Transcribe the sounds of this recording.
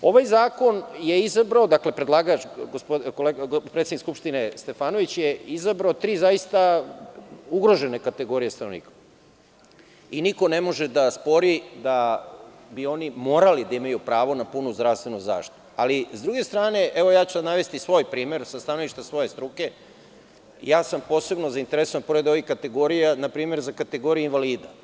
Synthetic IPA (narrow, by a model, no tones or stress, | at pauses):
o̞ʋajzaːko̞njeizabɾaod̪akle̞pɾed̪lˠaːɡat͡ʃɡospokoleɡpɾet̪enikskupʃt̪inest̪e̞faːnoʋit͡ɕjeizabɾaot̪ɾiːzaist̪a | uɡɾo̞ʒe̞nekat̪e̞ɡo̞ɾijest̪anonḭːkḁ | iniko̞nemo̞ʒed̪aspo̞ɾid̪a | bio̞nimoːɾalid̪aimajupɾaːʋo̞napunuzd̪ɾaʋst̪ʋe̞nuza̰ːʃt̪i̥t̪ualizd̪ɾuɡe̞st̪ɾaːne̞ʔeʋojaːt͡ɕud̪naʋe̞st̪isʋo̞ːjpɾiːme̞ɾsast̪anoʋiʃt̪asʋo̞je̞st̪ɾuke̞ | jaːsampo̞ːse̞bno̞zaint̪eɾesoanpo̞ɾe̞d̪o̞ʋixkat̪e̞ɡo̞ɾijanapɾiːme̞ɾzakat̪e̞ɡo̞ɾijuinʋaliːd̪a